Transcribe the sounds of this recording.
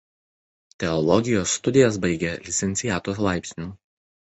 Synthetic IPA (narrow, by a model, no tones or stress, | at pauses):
t̪ʲɛɔlˠɔɡʲɪjoːsːt̪ʊd̪ʲɪjɛs̬bɐɪɡʲɛlʲɪt̪sʲɛnt̪sʲɪjæːt̪oːslˠɑˑɪpʲsʲnʲuː